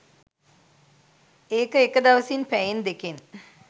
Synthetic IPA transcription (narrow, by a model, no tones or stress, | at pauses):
eːkəekəd̪aʋəsinpæjend̪eken